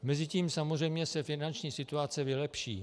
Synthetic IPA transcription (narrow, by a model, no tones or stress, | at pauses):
mɛzɪciːmsamozr̝ɛjmɲɛsɛfɪnant͡ʃɲiːsɪt̪uat͡sɛvɪlɛpʃḭː